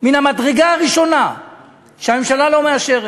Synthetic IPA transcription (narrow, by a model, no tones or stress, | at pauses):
minamadʁeɡaːʁiʃo̞na | ʃeame̞mʃalalo̞meaʃeʁ